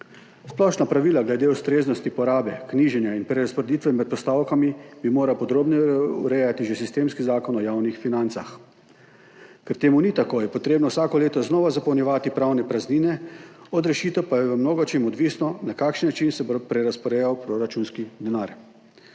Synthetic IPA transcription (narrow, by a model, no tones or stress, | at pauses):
splɔʃnapɾaʋiːlaɡlɛd̪eust̪ɾeːznɔst̪ipɔɾaːbɛkniːʒɛnjainpɾɛɾaspɔɾed̪iːt̪ʋɛmɛt̪̚pɔst̪awkamibimoːɾawpɔd̪ɾoːbnɛṵɾɛjat̪iʒesist̪eːmskizaːkɔnɔjawnixfinant̪sax | kɛɾt̪eːmunit̪akoːjɛpɔt̪ɾeːbnɔwsaːkɔleːt̪ɔznɔʋazapɔɐwnjɛʋaːt̪ipɾawnɛpɾazniːnɛɔd̪ɾɛʃiːt̪ɛwpajɛʋəmnoːɡɔt͡ʃemɔd̪ʋiːsnɔnakaːkʃənːat͡ʃinsɛbopɾɛɾaspɔɾɛjawpɾoɾat͡ʃunskid̪ɛnaːɾ